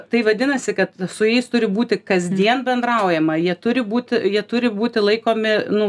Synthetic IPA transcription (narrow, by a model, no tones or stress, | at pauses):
t̪ɐɪʋɐd̪ʲɪnɐsʲɪkɐt̪sʊjɛɪst̪ʊɾʲɪbuːt̪ʲɪkɐzʲd̪ʲiɛnbʲɛnd̪rɐʊjɛmɐjiɛt̪ʊɾʲɪbuːt̪ʲɪjiɛt̪ʊɾʲɪbuːt̪ʲɪlˠɐɪkoːmʲɪnʊ